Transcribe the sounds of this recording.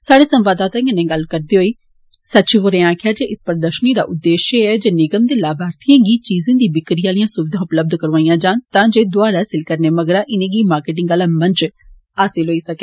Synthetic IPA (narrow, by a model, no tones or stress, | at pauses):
saːɽeːsə̃mʋaːd̪aːt̪ãːɪnẽːɡəlkəɾd̪eːɦoːiː | sətːʃiːʋoːɾẽːãːkʰɪjaːd͡ʒeːʔɪspəɾd̪əʃniːd̪a̰ːʔʊd̪ːeːʃeɛːd͡ʒeːnɪɡəmd̪eːlaːbʱaːɾt̪ijãːɡiːt͡ʃiːzẽːd̪iːbɪkɾijãːlijãːsʊʋɪd̪ʱãːʊpləb̚d̪kəɾʋaːĩjãːd͡ʒaːnt̪ãːd͡ʒeːd̪ʊaːɾaːsɪlkəɾneːməɡɽãːʔɪnẽːɡiːmaːɾkeʈ̬ɪŋɡaːlaːmə̃nt͡ʃ | aːsɪlɦoːiːsəkeː